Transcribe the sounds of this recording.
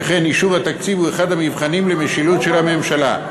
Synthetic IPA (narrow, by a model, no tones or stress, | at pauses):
χeniʃuvhat̪akt͡sivueχad̪hamivχanimlemeʃilut̪ʃelhame̞mʃala̰